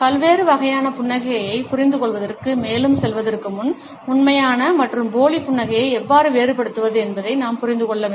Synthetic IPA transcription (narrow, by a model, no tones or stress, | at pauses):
kɐlʋeːɾɯʋɐɣɐjaːnɐpʊɳːɐɣɐjɐɪpʊrɪnd̪ɯkɔɭʋɐðɐrkɯmeːlɯmsɛlʋɐðɐrkɯmʊn | ʊɳmɐjaːnɐmɐʈrɯmboːlipʊɳːɐɣɐjɐɪɛʋːaːɾɯʋeːɾɯpɐɽɯt̪ːɯʋɐðɯɛnbɐðɐɪnaːmpʊɾɪnd̪ɯkɔɭːɐʋe